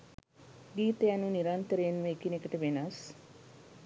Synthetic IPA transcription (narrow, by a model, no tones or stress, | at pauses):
ɡiːt̪əjanuniɾant̪əɾeːnʋəːkinekəʈəʋenas